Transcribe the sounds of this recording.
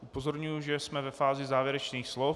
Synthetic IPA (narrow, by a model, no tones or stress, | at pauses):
ʔupozoɾɲujuʒɛsmɛvɛfaːzɪzaːvjɛɾɛt͡ʃniːxslof